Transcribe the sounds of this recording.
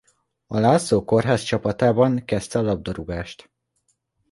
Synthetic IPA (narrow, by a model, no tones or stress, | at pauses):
ɒlaːsoːko̞rɦaːst͡ʃɒpɒt̪aːbɒŋkɛst̪ɛɒlɒb̚d̪ɒɾuɡaːʃt̪